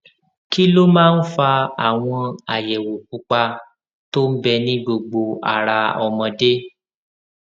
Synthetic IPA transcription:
ki˦lo˦mãː˦n̩˦fa˧a˨w̃ɔ̃˧a˨jɛ˨wo˨k̚u˨˦k͡pa˧ | to˦m̩˦bɛ˧nĩ˦ɡ͡bo˧ɡ͡bo˧a̰˨ɾa˧ɔ˧˨mɔ̃˧de˦

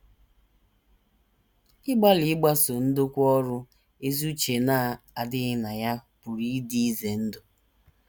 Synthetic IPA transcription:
ɪ˦ɡ͡ba˦lɪ˨ɪ˦ɡ͡ba˦so˨n̩˦do˦kʷɔ˦ɾʊ˦ | e˦zu˦t͡ʃe˨na˦˨a˨dɪ˦na˨ja˦pʊ˨ɾi˦di˦i˦ze˨n̩˦dʊ˨

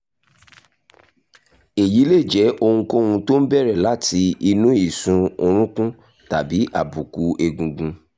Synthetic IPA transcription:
e˨ji˨˦le˦˨d͡ʒɛ˨˦ʔo˧hũ˧ko˦hũ˧to˦n̩˦bɛ˦˨ɾɛ˦˨la˨˦ti˧i˧nũ˨˦i˦˨sũ˧o˧ɾ̃ũ˦kũ˦ | ta˨bi˨˦ʔa˦˨bu˨ku˨˦ʔe˧ɡũ˧ɡũ˧

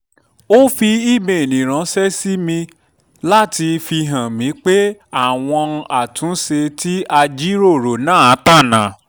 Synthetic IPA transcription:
o˦fi˧i˦˨me˨nĩ˨ɾ̃ã˨˦sɛ˦si˦mĩ˧ | la˦˨ti˧fi˧ɦã˨mĩ˨˦k͡pe˦a˦˨w̃ɔ̃˧ʔa˨tũ˨˦se˧ti˦a˧d͡ʒi˦ɾo˦˨ɾo˨nãː˦a˨˦ta˦˨nã̰˨

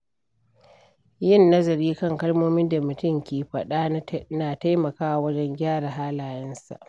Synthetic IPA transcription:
jɪ˦nːɐ˦zɐ˨ɾiː˦kɐ˦˨ŋkɐ˦lmoː˦mɪ˦nda˨mʊ˨tʊ˦˨mkʲeː˨ɸɐ˨ɗa˦naː˨ta˦jmɐ˨kaː˦ʔa˨wɐ˦d͡ʒɛ˦ŋɡʲaː˦ɽa˨ɦaː˦laː˨jɛ˦nsa̰˨ʔ

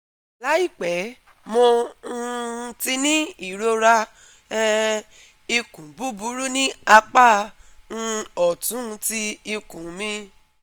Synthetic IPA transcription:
la˨˦i˦˨k͡pɛ˨˦ | mõ˧˦˧ | ti˧nĩ˦i˦˨ɾo˧ɾa˧˦˧ | i˧kũ˨bu˦bu˨˦ɾu˦nĩ˦a˧k͡pa˦˨ñ̩˧ɔ˨tũ˨˦˧ti˧i˧kũ˨mĩ˧˦

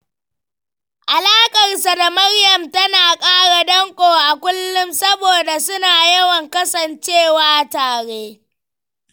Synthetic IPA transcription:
ʔa˨laː˦kʼɐ˨rsa˨da˨mɐ˦rjɐ˨mtɐ˦naː˨kʼaː˦ɽa˨dɐ˦ŋkʷʼoː˨ʔa˨kʷʊ˦lːʊ˦msɐ˦boː˨da˨sʊ˦naː˨jɐ˦wɐ˨ŋkɐ˦sɐ˨nt͡ʃeː˦˨waː˦taː˨ɽeː˦

